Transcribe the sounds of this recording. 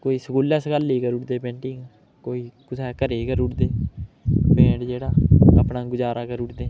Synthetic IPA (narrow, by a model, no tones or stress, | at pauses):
koːiːsəkuːlɛːsɡəliːkəɾʊʈd̪eːpẽːɳʈɪ̃ŋɡ | koːiːkʊsɛːkəɾeːkəɾʊʈd̪eː | pẽːʈd͡ʒeːɽaːəpnãːɡʊd͡ʒaːɾaːkəɾʊʈd̪eː